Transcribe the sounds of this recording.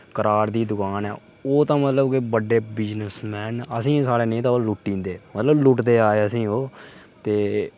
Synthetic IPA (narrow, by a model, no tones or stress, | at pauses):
kəɾaːɾd̪iːd̪ʊkaːnɛ̰ː | oːt̪ãːmət̪ləbkebəɖeːbɪd͡ʒnəsmɛːnəsĩːsaːɽeːnẽːt̪ãːoːlʊʈːĩːnd̪eːmət̪ləblʊʈd̪eːaːeəsĩːɦoː | t̪eː